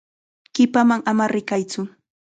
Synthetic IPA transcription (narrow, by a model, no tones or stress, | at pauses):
ɢɪpamaŋamaɾɪkajt͡sʊ